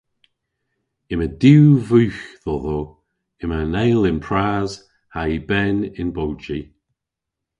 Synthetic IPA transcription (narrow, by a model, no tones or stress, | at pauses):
ɪmədiwvuːxðɔðo | ɪmənɛjlɪnpʰɹaːz̥ | haibɛnɪnbowt͡ʃi